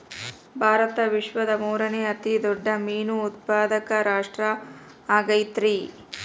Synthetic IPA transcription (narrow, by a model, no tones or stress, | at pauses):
bʱaːɾɐt̪ɐʋiʂʋɐd̪ɐmuːɾɐneːɐt̪id̪ɔɖːɐmiːnuːt̪̚paːd̪ɐkɐɾaːʂʈɾɐ | aːɡɐjt̪ɾi